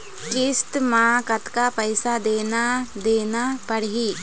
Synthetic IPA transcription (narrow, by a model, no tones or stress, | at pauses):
kɪst̪mãkət̪kapəɪsad̪eːnad̪eːnapəɽɦiː